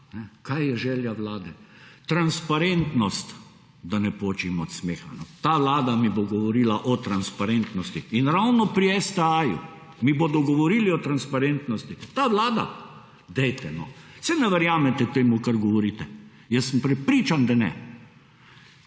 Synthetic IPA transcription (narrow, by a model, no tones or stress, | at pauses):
nɛkajjɛʒɛljaʋlaːd̪ɛ | t̪ɾanspaɾent̪nɔst̪ | d̪anɛpoːt͡ʃimɔɔt̪smeːxanɔt̪aːʋlaːd̪amiboɡɔʋɔɾiːlaʔɔt̪ɾanspaɾent̪nɔst̪iːnɾawnɔpɾiɛsd̪ɛajṵ | miboːd̪ɔɡɔʋɔɾiːliɔt̪ɾanspaɾent̪nɔst̪it̪aːʋlaːd̪a̰ | d̪ɛjt̪ɛnɔ̰sɛnɛʋɐɾjaːmɛt̪ɛt̪eːmukaɾɡɔʋɔɾiːt̪ɛ | jɛsːəmpɾɛpɾiːt͡ʃand̪anɛ̰